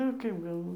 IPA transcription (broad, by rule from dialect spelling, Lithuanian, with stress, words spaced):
nʊ ˈkɐɪp ɡɐlˠˈʋoːjɪ